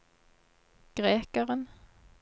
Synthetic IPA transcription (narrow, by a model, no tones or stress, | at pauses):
ɡ̥ʁeːkəʁən